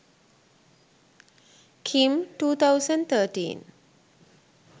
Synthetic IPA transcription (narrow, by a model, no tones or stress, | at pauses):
kʰĩmtut̪awsə̃nt̪ətḭ̃n